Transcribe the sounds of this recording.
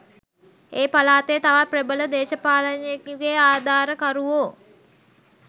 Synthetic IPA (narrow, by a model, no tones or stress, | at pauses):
eːpalaːt̪ejt̪aʋaprebələd̪eːʃəpaːlənjekiɡeaːd̪ʱaːɾəkaɾuʋoː